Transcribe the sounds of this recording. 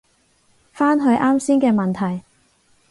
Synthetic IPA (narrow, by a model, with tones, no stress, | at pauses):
faː˥nɦɵ˧ɥʔaː˥msiː˥nkɛː˧mɐ˨nt̪ʰɐ˨˩j